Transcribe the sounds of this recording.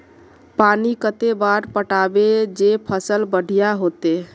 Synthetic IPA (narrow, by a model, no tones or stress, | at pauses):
panikət̪ebaɾpəʈabed͡ʒepʰəsəlbəɽʱijaɦot̪e